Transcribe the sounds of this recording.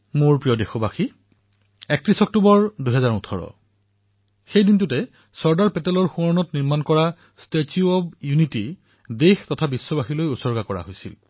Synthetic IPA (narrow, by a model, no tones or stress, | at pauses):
moɹpɹijɔdexɔbaxi | ɛk̚tɹisɔk̚tubɔɹduɦɛzaɹutʰɔɹɔ̰ | xejdint̬utɛ | sɔɹdaɹpɛtɛlɔɹxuɔɹnɔtniɹmankɔɹa | stetiuɔbjuniti | dextɔtʰabisːɔbaxilojusɔɹɡakɔɹa̰ɦojsil